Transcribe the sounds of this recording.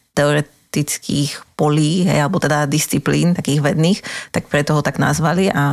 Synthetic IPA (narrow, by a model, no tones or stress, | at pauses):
t̪ɛɔɾɛ | t̪it͡skʰḭːxpɔliːɦɛ̰jalɛbɔt̪ɛd̪ad̪ist͡sipliːnt̪akiːɣʋɛd̪niːxt̪ak̚pɾɛt̪ɔɦɔt̪aɡna̰zʋaliʔa